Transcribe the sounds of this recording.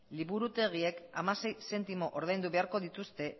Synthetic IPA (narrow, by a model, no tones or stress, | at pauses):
liβuɾut̪e̞ɣ̞ie̞kamase̞jse̞nt̪imo̞ʔo̞ɾðajnd̪uβe̞aɾko̞ðit̪ust̪e̞